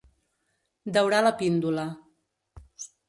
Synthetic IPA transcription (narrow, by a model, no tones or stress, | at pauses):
d̪əwɾaləpind̪ulə